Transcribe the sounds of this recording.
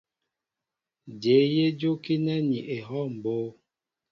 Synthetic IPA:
d͡ʒe˨˦je˦d͡ʒo˦ki˦nɛ˦ni˨ʔe˨ɦɔ˦˨m̩˨boː˦

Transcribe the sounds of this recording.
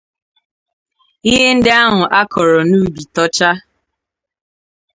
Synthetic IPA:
i˦ɦe˦n̩˦dɪ˦a˦ɦʊ˨ʔa˦kʰɔ˨ɾɔ˨nu˦˨bi˨tɔ˦t͡ʃa˦

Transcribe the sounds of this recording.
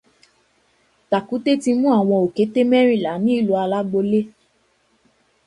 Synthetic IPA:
ta˨ku˨˦te˦ti˧mũ˦a˦˨w̃ɔ̃˧o˨ke˨˦te˦mɛ˦ɾ̃ĩ˦˨la˨˦nĩ˦i˦˨lu˨˦a˧la˦ɡ͡bo˧le˦

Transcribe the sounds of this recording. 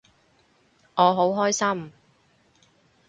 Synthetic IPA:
ŋɔː˨˧ɦo˨˥wɦɔː˥jsɐ˥m

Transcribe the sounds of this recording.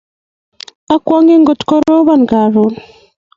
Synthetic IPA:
a˦kwɔ˦ŋe˦ŋɡo˨tko˦ɾo˦βa˦˨ŋɡa˨ɾo˨

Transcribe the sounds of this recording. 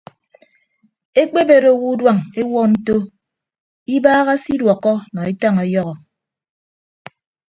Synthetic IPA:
e˦k͡pe˦be˦ɾo˦˨wu˦dwa˦˨ŋe˦wɔ˦n̩˦to˦ | i˦baː˦ɣa˦si˦dwɔ˨kːɔ˦nɔ˨e˦ta˦ŋe˨˦jɔ˦ɣɔ˨

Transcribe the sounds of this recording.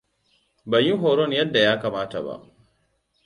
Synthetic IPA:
bɐ˨ji˦ŋɦoː˨ɾɔ˦njɐ˦dːa˨jaː˦kaː˨maː˦ta̰˨ba̰˦˨ʔ

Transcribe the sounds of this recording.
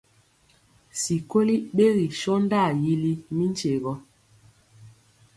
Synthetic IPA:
si˨ko˦li˦ɓe˦ɣi˨ʃɔ˦n˦da˦˨ji˦li˦mi˦n˦t͡ʃe˨ɣɔ˦

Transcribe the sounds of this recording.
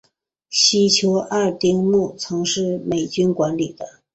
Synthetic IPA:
ɕi˥t͡ɕʰjo˧˥ʊʔa˥˧˩t̪i˥ŋmu˥˩t͡sʰɤ˧˥ŋʂɻ̩˥˩me˨˩ɪt͡ɕy˥nkwa˧˥nli˨˩d̪ə˦

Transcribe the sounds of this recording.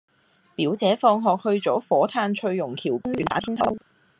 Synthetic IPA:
piː˨˥wt͡sɛː˨˥fɔː˧ŋɦɔː˨k̚hɵ˧ɥt͡sɔː˨˥fɔː˨˥t̪ʰaː˧nt͡ʃʰɵ˧ɥjːʊ˨˩ŋkʰiː˨˩wkʊ˥ŋyː˨˥nt̪aː˨˥iː˥nt̪ʰɐ˥w

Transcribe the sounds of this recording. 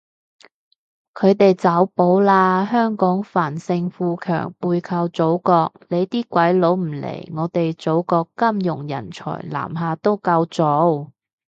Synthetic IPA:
kʰɵ˨˧˥ɥt̪e˨jt͡sɐ˨˥wpo˨˥wlaː˧hœː˥ŋkɔː˨˥ŋfaː˨˩nsɪ˧ŋfuː˧kʰœ̰ː˨˩ŋpuː˧jkʰɐ˧wt͡so˨˥wkɔː˧k̚le˨˧jt̪iː˥kʷwɐ˨˥jlo˨˥wm̩˨˩lḛ˨˩jŋɔː˨˧t̪e˨jt͡so˨˥wkɔː˧kːɐ˥mjʊ˨˩ŋjɐ̰˨˩nt͡ʃʰɔ̰ː˨˩jla̰ː˨˩mɦaː˨˧t̪o˥wkɐ˧wt͡so˨˧˥w

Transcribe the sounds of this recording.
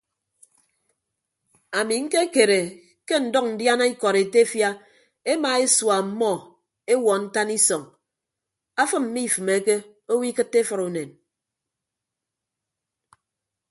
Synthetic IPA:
a˨mi˨ŋ̩˦ke˦ke˨ɾe˨ | ke˦n̩˨dɔ˦k̚n̩˨dja˦na˦i˦kɔ˨ɾe˨te˦e˦fja˦ | e˦ma˨e˦swa˨m̩˦mɔ˦˨ | e˦wɔ˨n̩˦ta˦ni˦sɔ˨ŋ | a˦fɨ˦mm̩˦mi˦˨fɨ˨me˨˦ke˦ | o˦wi˦kɨ˦tːe˦fɔ˨ɾu˨ne˨n

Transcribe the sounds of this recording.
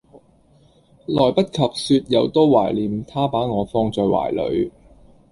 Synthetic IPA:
lɔː˨˩jpɐ˥t̚kʰɐ˨p̚syː˧t̚jɐ˨˧wt̪oː˥wa̰ː˨˩jliː˨˥mt̪ʰaː˥paː˨˥ŋɔː˨˧fɔː˧ŋt͡sɔː˧jwa̰ː˨˩jlɵ̰˨˧ɥ

